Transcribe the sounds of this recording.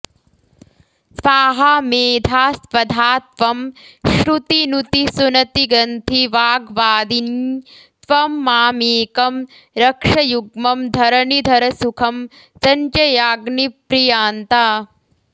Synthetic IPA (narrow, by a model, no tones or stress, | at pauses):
sʋaːɦɐmeːd̪ʱaːsʋɐd̪ʱaːt̪ʋɐmʃɾut̪inut̪isunɐt̪iɡɾɐnt̪ʰiʋaːɡʋaːd̪in | t̪ʋɐmːaːmiːkɐm | ɾɐkʂɐjuɡmɐmd̪ʱɐɾɐnid̪ʱɐɾɐsukʰɐm | sɐɲt͡ʃɐjaːɡnipɾijaːnt̪a